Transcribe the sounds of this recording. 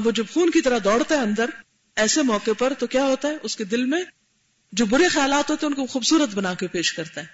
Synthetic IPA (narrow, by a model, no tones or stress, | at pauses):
ʋoːd͡ʒɐbxuːnkit̪ɐɾad̪ɔːɽ̤t̪aɦɛɐ̃nd̪əɾ | ɛːsemɔːkepɐɾt̪okjaːɦoːt̪aɦɛʔʊsked̪ɪlmẽ | d͡ʒoːbʊɾexɐjaːlaːt̪ɦoːt̪ẽɛ̃ʊnkoxuːbsuːɾət̪bɐnaːkepeːʃkɐɾt̪aɦɛː